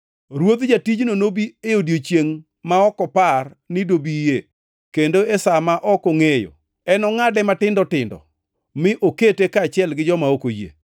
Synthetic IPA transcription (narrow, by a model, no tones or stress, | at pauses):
ɾwod̪d͡ʒatid͡ʒnonobieodjot͡ʃjeŋ | maɔkɔpar | nɪdobije | kendoesamaʔɔkoŋejo̰ | ɛnɔŋadɛmatɪndɔtɪndɔ̰ | mɪʔoketekat͡ʃɪɛlɡɪd͡ʒɔmaokojḛ